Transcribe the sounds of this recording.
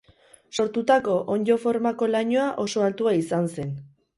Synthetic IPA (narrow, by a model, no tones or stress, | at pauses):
so̞ɾt̪ut̪ako̞ʔoɲd͡ʒo̞fo̞ɾmako̞laɲoaʔo̞so̞alt̪uaisanse̞n